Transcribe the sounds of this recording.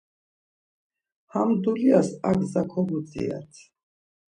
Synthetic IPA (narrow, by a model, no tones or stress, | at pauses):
hamd̪uliasaɡzakʰɔbut͡sʼḭa̰t̪ʰ